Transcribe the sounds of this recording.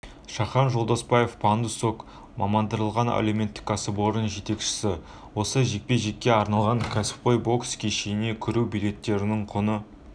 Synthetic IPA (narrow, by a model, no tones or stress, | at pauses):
ʃɑχɑnʒo̞lˠd̪ospɑje̞fpʰɑnd̪usok | mɑmɑnd̪əɾəlˠʁɑnæ̰leme̞nt̪ːɪ̥kːɑsəbo̞ɾənʒe̞t̪e̞kʃɪ̥sɪ | wo̞səʒe̞k̚peʒe̞kʲːe̞ɑɾnɑlˠʁɑŋkʲʰæsɪ̥p̚qʰojbo̞kskʲʰeʃejɪne̞kʲʰʏɾuwbulʲe̞t̪ːe̞ɾɪnɪŋqʰonə